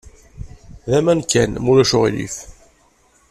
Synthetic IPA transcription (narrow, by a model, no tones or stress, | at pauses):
ðæmænkːænmulæʃʊʁḭlḭf